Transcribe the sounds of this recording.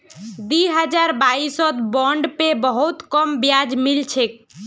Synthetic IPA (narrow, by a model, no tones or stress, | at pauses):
d̪iɦəd͡ʒaɾbaisɔt̪bɔɳɖpebəɦut̪kɔmbjad͡ʒmilt͡ʃʰek̚